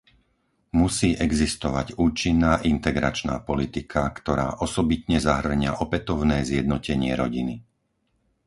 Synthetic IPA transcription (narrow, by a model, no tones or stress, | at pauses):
musiːʔɛɡzist̪ɔʋaɟuːt͡ʃinːaːʔint̪ɛɡɾa̰t͡ʃna̰ːpɔlit̪ikʰakt̪ɔɾa̰ːʔɔsɔbit̪ɲɛzaɦr̩ɲɪaʔɔpɛt̪ɔʊnɛːzjɛd̪nɔcɛɲɪɛɾɔɟini